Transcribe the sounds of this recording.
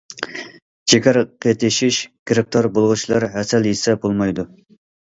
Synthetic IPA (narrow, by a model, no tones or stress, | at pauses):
t͡ʃʰekʲʰæɾqʰet̪ʰɪʃiʃɡ̥ʲɾɪk̚t̪ʰoɾbolˠʁut͡ʃʰilˠɑɾɦɛsɛlisɛbolˠmɑjd̪u